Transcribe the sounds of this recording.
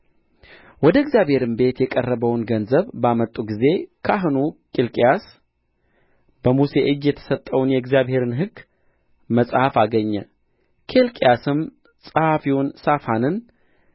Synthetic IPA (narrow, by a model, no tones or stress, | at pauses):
wɔd̪əɨɡzjaβhe̞ɾɨmbe̞t̪jɛkʼərːəβəwnɡənzəβbamət̪ʼːuɡize̞kʰaɦɨnukʼelkʼijas | b̥əmuse̞ʔɨd͡ʒjɛt̪ʰə̥sət̪ʼːəwnjɛɪɡzjaβhe̞ɾɨnɦɨɡː | məsʼhafaɡəɲːɛ | kʰelkʼijasɨm | sʼəhafiwʊnsafanɨn